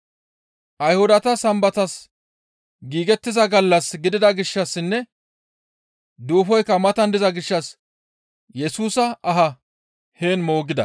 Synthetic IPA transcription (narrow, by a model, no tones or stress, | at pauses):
ʔɐjhʊd̪ɐt̪ɐsɐmbɐt̪ɐs | ɡiːɡɛt̪ːɪzɐɡɐlːɐsɡɪd̪ɪd̪ɐɡɪʃːɐsːɪnːɛ | d̪uːfɔjkːɐmɐt̪ɐnd̪ɪzɐɡɪʃːɐs | jɛsuːsɐɐɦɐ | heːnmo̞ːɡɪd̪ɐ̰